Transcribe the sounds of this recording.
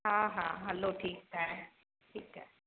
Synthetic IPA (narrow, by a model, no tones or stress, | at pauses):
ɦãːɦã̰ːɦɐloːʈʰiːk̚ta | ʈʰiːkɦɛ̰